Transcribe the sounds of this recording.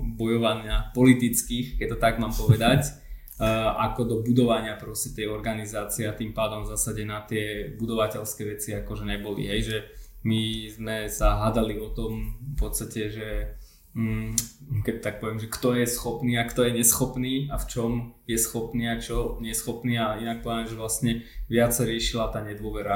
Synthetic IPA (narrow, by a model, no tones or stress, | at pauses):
bɔjɔʋanɪapɔlit̪it͡skiːxkɛc̚t̪ːɔt̪aɡmaːmpɔʋɛd̪acː | akɔd̪ɔbud̪ɔʋaɲɪapɾɔscɛt̪ɛjɔɾɡanizaːt͡siɛat̪impaːd̪ɔmzasaɟɛnat̪ɪɛbud̪ɔʋacɛlskɛːʋɛt͡siakɔʒɛɲɛbɔlḭɦɛjʒɛ | mizmɛsaɦad̪aliɔt̪ɔmpɔt̪st̪acɛʒɛ | kɛt̪ak̚pɔʋɪɛmʒɛkt̪ɔjɛsxɔpniːakt̪ɔjɛɲɛsxɔpniːaft͡ʃɔmjɛsxɔpniːat͡ʃɔɲɛsxɔpniːainak̚pɔʋɛnɛʒɛʋlasɲɛʋɪat͡ssaɾɪɛʃilat̪aːɲɛd̪ʊɔʋɛɾa